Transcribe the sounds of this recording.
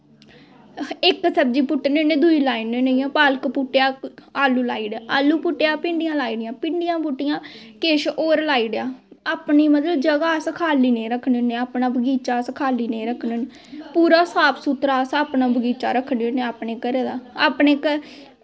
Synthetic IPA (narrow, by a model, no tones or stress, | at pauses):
ɪksəbd͡ʒiːpʊʈːneːnẽːd̪uiːlaːɪnenejãːpaːlkpʊʈːjaːaːlːuːlaːiːɖjaːʔaːlːuːpʊʈːɪjaːpɪɳɖɪjãːlaːiɽɪjãːpɪɳɖɪjãːpʊʈːɪjãːkeːʃoːɾlaːiːɽjaːaːpniːmət̪ləbd͡ʒəɡaːskʰaːliːnẽːɾəkʰːɳenẽːaːpnaːbəɡiːt͡ʃaːskʰaːliːneːɾəkʰnene | puːɾaːsaːpʰsuːt̪ɾaːsaːpnaːbəɡiːt͡ʃaːɾəkʰːɳenẽːaːpnẽːkəɾeːd̪aːaːpneːkə